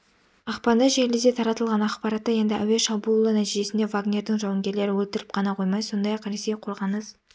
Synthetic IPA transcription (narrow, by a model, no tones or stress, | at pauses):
ɑqpɑnd̪əʒelɪzd̪e̞t̪ʰɑɾɑt̪əlˠʁɑnɑqpɑɾɑt̪ːəje̞nd̪ɪʔæwe̞ʃɑbulˠːənæt̪iʒe̞sɪnd̪e̞vaɡnʲe̞ɾd̪ɪŋʒɑwɑŋɡʲe̞ɾle̞ɾɪwɵlt̪ɪɾɪp̚qʰɑnɑqʰo̞jmɑjso̞nd̪ɑjɑqɾese̞jqʰo̞lˠʁɑnəz̥